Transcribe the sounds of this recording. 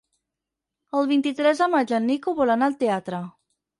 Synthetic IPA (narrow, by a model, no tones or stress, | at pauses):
əlˠβint̪it̪ɾɛzðəmad͡ʒənːikuβɔlanalˠt̪eat̪ɾə